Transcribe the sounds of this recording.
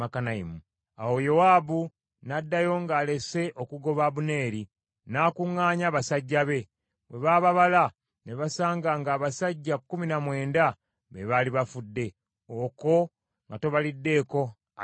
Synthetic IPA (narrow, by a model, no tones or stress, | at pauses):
akanaḭmu | a̰wo̞jo̞waːbu | nadːajo̞ŋɡaːle̞se̞ʔo̞kuɡo̞βaβune̞ːɾi | naːkuŋːaːɲaːβasaɟːaβe̞ | βwe̞βaːβaβala | ne̞βasaːŋɡaŋɡaːβasaɟːakːuminamwe̞ːnda | βeβaːliβafudːe̞ | oko̞ | ŋɡato̞βalidːe̞ːko̞